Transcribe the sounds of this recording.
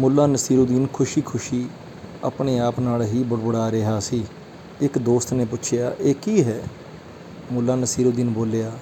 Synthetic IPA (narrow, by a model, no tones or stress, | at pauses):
mʊlːaːnəsiːɾoːd̪iːnkʰʊʃiːkʰʊʃiː | a̰ːpɳeːaːpnaːlɦiːbʊɽbʊɽaːɾeɦaːsiː | ɪkd̪oːst̪neːpʊtːt͡ʃʰejaːʔeːkiːɦɛː | mʊlːaːnəsiːɾoːd̪iːnboːlejaː